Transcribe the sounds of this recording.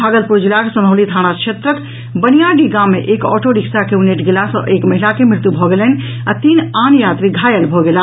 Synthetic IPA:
aːɡəlpuɾd͡ʒilakesəməʊlit̪ʰaɽ̃akʃʰet̪ɾət̪ | bənijaɖiɡamːeʔekɔ̰ːʈoɖiksakeuneʈɡelasɔ̰̃ʔeːkməɦilakemɪɾt̪ubʱɔɡelɛn | at̪inaːnjaːt̪ɾiɡʱaːjəlbʱɔɡela

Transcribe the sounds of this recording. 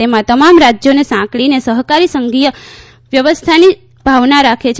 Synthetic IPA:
emãt̪əmamɾad͡ʒjonesãkɭinesəɦkaɾisəŋɡijə | ʋjəʋəst̪ʰani | bʱaʋnaɾakʰet͡ʃʰ

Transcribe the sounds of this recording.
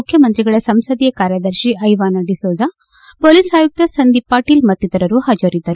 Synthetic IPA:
ukʰjɐmɐnt̪ɾiɡɐɭɐsɐmsɐd̪ijɐkaːɾjɐd̪ɐɾʃiʔɐjʋaːnɐɖisoːd͡ʒa | poːlisaːjuk̚t̪ɐsɐnd̪ipaːʈiːlmɐt̪ːid̪ɐɾɐɾuhɐd͡ʒɐɾid̪ːɐɾu

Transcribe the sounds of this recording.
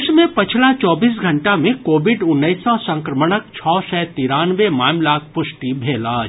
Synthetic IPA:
ʃmẽpɐt͡ʃʰlat͡ʃɔːbiːs̬ɡʱɐ̃ɳʈamẽkoːʋɪɖʊnːəisːɔsɐ̃ŋkɾəməɽək̚t͡ʃʰɔːsɛːt̪iːɾaːnʋemaːmlak̚pʊʃʈibʱeːlaː

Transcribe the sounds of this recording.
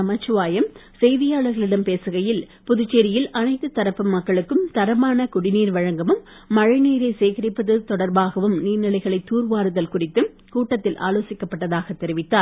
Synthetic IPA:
ɐmɐt͡ʃːɯʋaːjɐmsɛjðɪjaːɭɐɾɣɐɭɪɽɐmpeːsɯɣɐjɪl | pʊðʊt͡ʃːeɾɪjɪlʔɐnɐɪt̪ːɯt̪ɐɾɐpːɯmːɐkːɐɭɯkːɯmt̪ɐɾɐmaːnɐkʊɽɪniːɾʋɐɻɐŋɡɐmɯmː | ɐɻɪniːɾɐɪseːɣɪɾɪpːɐðɯt̪ɔɽɐɾbaːɣɐʋɯmniːɾnɪlɐɪɣɐɭɐɪt̪ːuːɾʋaːɾɯðɐlkʊrɪt̪ːɯm | kuːʈːɐt̪ːɪlʔa̰ːloːsɪkːɐpːɐʈːɐðaːɣɐt̪ːɛɾɪʋɪt̪ːaːɾ

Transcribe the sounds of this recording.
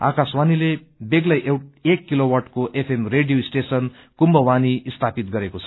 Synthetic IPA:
a̰kaswanile | beɡlʌjekːilowʌrʈkoʔepʰemreɖijoisʈesʌn | kumbʌwaniːst̪ʰapit̪̚ɡʌɾekot͡sʰʌ

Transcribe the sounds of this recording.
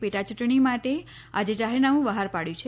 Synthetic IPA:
peʈat͡ʃuʈɳimaʈe | ad͡ʒed͡ʒaɦeɾnaʋũʋəɦaɾpaɽjũt͡ʃʰe

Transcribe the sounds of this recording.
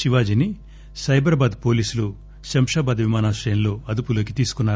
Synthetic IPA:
ʃiʋaːd͡ʒini | sɐjbɐɾɐbaːd̪po̞ːliːsulu | ʃɐmʂaːbaːd̪ʋimaːnaːsʈɐjɐnlo̞ːɐd̪upulo̞ːkit̪iːsu̥kunːaː

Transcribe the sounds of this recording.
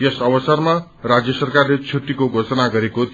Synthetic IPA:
jʌsʌbʌsʌrma | rad͡zjʌsʌrkarlet͡sʰuʈ̪ːikoɡʱot͡sʌnaɡʌɾekot̪

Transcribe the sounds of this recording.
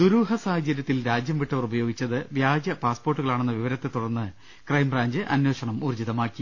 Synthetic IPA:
d̪uɾuːɦɐsaːhɐd͡ʑɐɾjɐt̪ːilɾaːd͡ʑjɐmʋiʈːɐʋɐrubɐjo̞ːɡit͡ɕːɐðɨʋjaːd͡ʑjɐpaːspo̞ːrʈːuɣɐɭaːɳe̞nːɐʋiʋɐɾɐt̪ːe̞t̪ːuɽɐrnːɨ | krɐjmbraːɲd͡ʑɨʔɐnje̞ːɕɐɳɐmuːrd͡ʑiðɐmaːkːi

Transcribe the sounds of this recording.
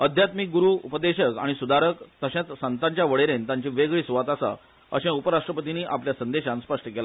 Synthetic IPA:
əd̪ʱjat̪mik̚ɡuɾuːupəd̪eɕəka̰ɽ̃isud̪ʱaɾəkt̪əɕẽt̪sant̪ãɲt͡ɕjaʋəɭeɾent̪ãɲt͡ɕĩʋeɡɭiːsuʋat̪asa̰ | ə̰ɕẽupəɾaʂʈɾəpət̪iniːʔapljasənd̪eɕãnspəʂʈəkela

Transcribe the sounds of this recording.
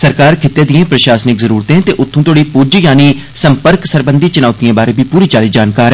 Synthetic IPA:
səɾkaːɾkʰɪt̪ːeːd̪ɪ̃jẽːpɾəʃaːsnɪkzəɾuːɾt̪ẽːt̪eːʔʊt̪ʰːũːt̪oːɽiːpud͡ʒjaːniː | səmpəɾksəɾbənd̪iːt͡ʃʊnaːt̪ijãːbaːɾẽːbʱiːpuːɾiːt͡ʃaːliːd͡ʒaːnkaːɾ

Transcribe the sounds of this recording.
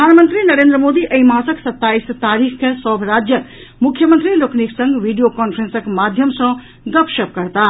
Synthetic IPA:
ɾəd̪ʱanmənt̪ɾinəɾend̪ɾəmod̪iʔəimãsəksət̪ːaist̪aɾikʰkesɔbʱɾad͡ʒjə | mukʰjəmənt̪ɾilokniksə̃ŋɡʋiɖijokɔnpʰɾensəkmad̪ʱjəmsʌ̃ | ɡəpʃəp̚kəɾt̪a

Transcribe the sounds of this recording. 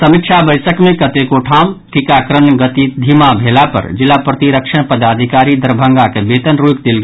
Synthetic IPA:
səmikt͡ʃʰabəjsəkmẽkət̪ekoʈʰamʈikakɾənɡət̪id̪ʱimabʱelapə̰ɾd͡ʒilːapɾət̪iɾəkʃʰəɳ̃pəd̪ad̪ʱikaɾid̪əɾbʱəŋɡakebet̪ənɾuikd̪elɡe

